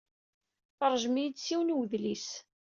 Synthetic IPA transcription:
θəɾˤʒmijd̪t͡sːiwnwðlis

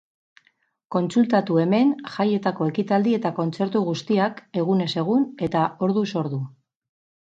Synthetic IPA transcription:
ko̞nt͡sult̪at̪ue̞me̞nʝaje̞t̪ako̞e̞kit̪ald̪ie̞t̪ako̞nt͡se̞ɾt̪uɣust̪iake̞ɣ̞une̞se̞ɣ̞une̞t̪ao̞ɾðuso̞ɾðu

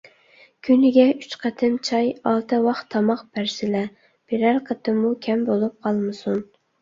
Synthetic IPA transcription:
kʲʰynɪɡʲɛyt͡ʃqʰæt̪ʰɨnt͡ʃʰɑjɑlˠt̪ʰɨwɑχt̪ʰɑmɑqb̥æɾsɪlɛ | b̥eɾæɾqʰət̪ʰɨmukʲʰɛmbolˠup̚qʰɑlˠmɨsun

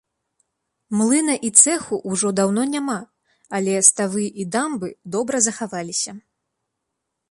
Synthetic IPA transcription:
mlˠɨnɐʔit̪sɛxuʔuʐɔd̪awn̪ɔnʲama | alʲɛst̪avɨʔid̪ambɨd̪ɔbɾɐzɐxavalʲisʲɐ

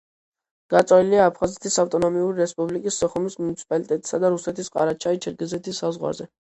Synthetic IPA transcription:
ɡ̥at̪sʼɔiliaːpʰχazɛt̪ʰisaft̪ʼɔnɔmiuɾiɾɛspʼublikʼisːɔχɔmismunit̪si̥pʼalit̪ʼɛt̪ʼi̥sad̪aɾusɛt̪ʰisqʼa̰ɾat͡ʃʰait͡ʃʰɛɾɡɛzɛt̪ʰisːazʁwa̰ɾzɛ

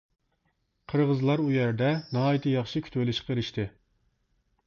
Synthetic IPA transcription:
qʰəɾʁəzlˠɑɾujæɾd̪ɛnɑɦɑːjit̪ʰɨjɑχʃikʲʰy̥t̪welɪʃqʰəeɾɪʃt̪ɨ

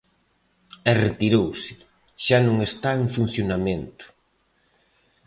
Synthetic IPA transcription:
ɛret̪iɾowsɪ̥ | ʃanõŋest̪aeŋfun̟θjonamẽnt̪ʊ̥

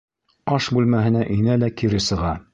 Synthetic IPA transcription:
ɑʃbʉlmæɦɘ̆næʔinælækiɾɘsɤ̆ʁɑ

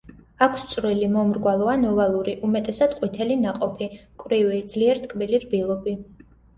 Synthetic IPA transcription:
akʰst̪sʼɾilimɔmɾɡwalˠɔanɔvalˠuɾiʔumɛt̪ʼɛsad̪̥qʼwit̪ʰɛlinaqʼɔpʰikʼwɾivid̪z̥liɛɾt̪ʰʼkʼbiliɾbilˠɔbi

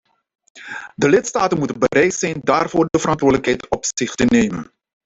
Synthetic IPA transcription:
dəlɪtstaːtənmutənbəɾɛjtsɛjndaːrvoːrdəvəɾɑntʋʊːdələkɦɛjtɔpsɪχtənejmə̰n

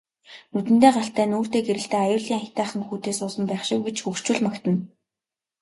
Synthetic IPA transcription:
nut̪ɘ̆nt̪eːɢaɬt̪æːnoːr̥t̪eːɡeɾɘ̆ɬt̪eːajʊːɮiːŋaxʲt̪æːχə̆ŋxuːt̪eːsʊːsə̆mpæːχʃɪ̆k̚wet͡ɕxukt͡ɕŭːɮmakt̪ə̆n

